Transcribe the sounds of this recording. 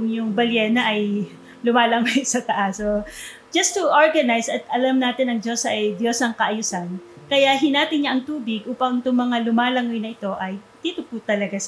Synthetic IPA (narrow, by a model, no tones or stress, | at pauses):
ʊŋjʊŋbɐljɛnɐʔɐj | lʊmaːlɐŋojsɐt̪ɐʔaso | d͡ʒɐst̪ːʊʔoɹɡɐnajsɐt̪ʔɐlamnaːt̪ɪnɐŋd͡ʒo̞sɐʔɐjd̪jo̞sɐŋkɐʔɐjuːsankɐjaʔɦɪnaːp̪ɪɲɲaʔɐŋt̪uːbɪɡʔuːpɐŋt̪ʊŋmɐŋalʊmaːlɐŋojnɐɪt̪o̞ʔɐjd̪̥iːt̪ʊpʊt̪ɐlɐɡas